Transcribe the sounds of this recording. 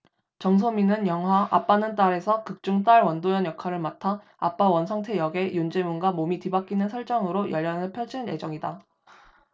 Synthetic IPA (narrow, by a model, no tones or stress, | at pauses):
t͡ɕʌŋs̬ʰominɯnjʌŋwaʔap͈anɯnt͈aɾe̞sʰʌkɯk̚t͡ɕ͈uŋt͈aɭwʌndojʌnjʌkʰaɾɯɭmatʰa | a̰p͈awʌnsʰʌŋtʰe̞jʌɡe̞jund͡ʑe̞munɡwamomitibak͈inɯnsʰʌɭt͡ɕ͈aŋɯɾojʌʎːaŋɯɭpʰjʌd͡ʑinɯnje̞d͡ʑʌŋida